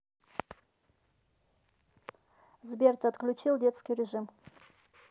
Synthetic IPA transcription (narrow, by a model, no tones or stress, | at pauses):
zbʲert̪ɐt̪klʲʊt͡ɕilˠdʲe̞t̪skʲijɾʲɪʐɨm